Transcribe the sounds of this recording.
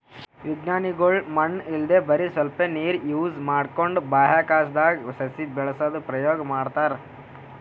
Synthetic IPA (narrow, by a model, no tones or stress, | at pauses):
ʋiɡnaːniɡoɭmɐnːild̪eːbɐɾisʋɐlpeniːɾjuːzmaːɽkoɳɖbaːɦaːkaːsd̪aːɡsɐsibɛɭɐsɐd̪upɾɐjoːɡɐmaːɖt̪aːɾ